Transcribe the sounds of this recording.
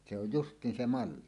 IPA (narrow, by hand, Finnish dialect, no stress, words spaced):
se oj justˑiːn se mɑlːi